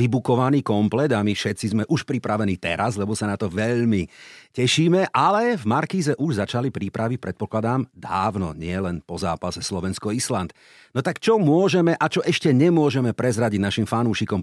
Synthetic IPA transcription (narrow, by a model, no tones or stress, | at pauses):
ʋibukɔʋaniːkɔmplɛd̪amifʃɛt̪t͡sizmɛʔuʃpɾipɾaʋɛniːt̪ɛ̰ɾazʎɛbɔsanat̪ɔʋɛʎmicɛʃiːmɛʔalɛvmaɾkiːzɛʔuʒzat͡ʃalipɾipɾaʋic̚pɾɛt̪̚pɔklad̪aːmd̪aːʋnɔ̰ɲɪɛlɛnpɔza̰ːpasɛslɔʋɛnskɔislant̪ | nɔt̪akt͡ʃɔmʊɔʒɛmɛʔat͡ʃɔʔɛʃcɛɲɛmʊɔʒɛmɛpɾɛzɾaɟiɟnaʃimfanuːʃikɔm